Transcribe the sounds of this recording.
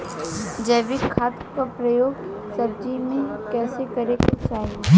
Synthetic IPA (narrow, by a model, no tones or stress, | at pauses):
d͡ʒeːʋɪkʰːaːt̪kapɾɐjoːɡ | sɐb̚d͡ʒimẽkɛːsekɐɾekat͡ʃaːɦi